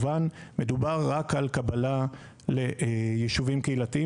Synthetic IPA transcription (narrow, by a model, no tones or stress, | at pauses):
vanmedubaʁːakalkabala | le̞ʔjiʃuvimkeilat̪ii